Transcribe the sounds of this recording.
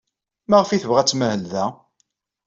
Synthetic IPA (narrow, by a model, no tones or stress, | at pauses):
mæʁəfiθəvʁæt͡sːməhəlðæ